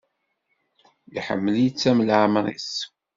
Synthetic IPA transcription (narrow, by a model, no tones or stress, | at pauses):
jiħə̰mːəljit͡sːæməlʕmɾḭs